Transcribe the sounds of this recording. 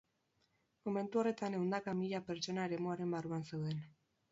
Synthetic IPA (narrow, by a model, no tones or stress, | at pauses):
mo̞me̞nt̪uo̞re̞t̪aneond̪akamiʎape̞ɾt͡ʃo̞nae̞ɾe̞muaɾe̞mbaruansewðe̞n